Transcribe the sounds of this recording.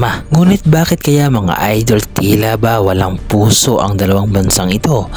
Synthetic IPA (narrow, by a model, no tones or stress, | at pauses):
maŋuːnɪt̪̚baːkɪt̪̚kɐjamɐŋa̰ʔajd̪o̞lt̪ilabawɐlaŋpuːso̞ʔɐ̰ŋd̪ɐlɐwaŋbɐnsaŋɪt̪o̞